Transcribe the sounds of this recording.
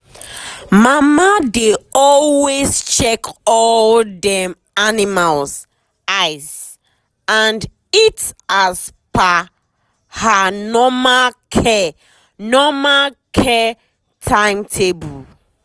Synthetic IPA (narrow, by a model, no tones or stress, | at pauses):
mamadeɔlwezt͡ʃɛkɔldɛm | animalz | aɪzs | ãnd | itaz | pa | hanɔmakʰɛ | nɔmakʰɛ | tʰãɪ̃mtʰebu